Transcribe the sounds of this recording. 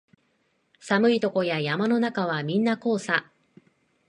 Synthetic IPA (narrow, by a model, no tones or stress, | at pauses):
samɯ̟it̪o̞ko̞jajamano̞nakaβ̞amʲĩnːako̞ːsa